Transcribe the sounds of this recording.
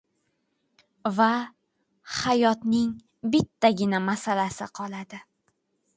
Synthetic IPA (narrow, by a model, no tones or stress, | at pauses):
va | hajɒt̪nɪŋ | bɪt̪ʰːaɡʲɪnamasalasɪqʰɒlˠad̪ɪ